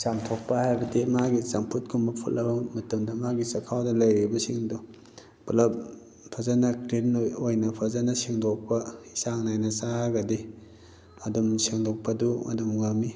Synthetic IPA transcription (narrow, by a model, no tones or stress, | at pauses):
samtʰok̚pɐhajbɐdimaɡisampʰut̚kʰumbɐpʰṵllːɐbɐmɐtɐmdɐmaɡisɐkʰawdɐlɐjɾibɐsiŋdu | plɐp̚ | pʰɐzanɐkɾinojnɐpʰɐzanɐsiŋdok̚pɐisaŋnajnɐsaɡɐdi | ɐdumsiŋdok̚pɐdumɐ̰dumŋɐmi